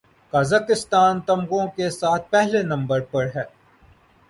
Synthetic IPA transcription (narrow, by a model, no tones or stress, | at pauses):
kaːzaːkɪst̪aːnt̪ɐmɣõkesaːt̪̚ʰpɛɦlenɐ̃mbəɾpɐɾɦɛː